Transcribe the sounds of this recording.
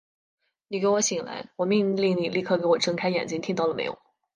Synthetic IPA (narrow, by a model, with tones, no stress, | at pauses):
ni˨˩ke˧˥ɪwɔ˧˥ɕi˨˩ŋla̰˧˥ɪwɔ˨˩mi˥˧ŋli˥˧ŋni˨˩li˥˧˩kʰɤ˥˩ke˧˥ɪwɔ˨˩ʈ͡ʂʰɤ˥ŋkʰa˥ɪjɛ̰˨˩nt͡ɕi˥ŋt̪ʰi˥ŋt̪ɑ˥˩ʊlə˩mḛ˧˥ɪ˥wɔ̰˨˩˦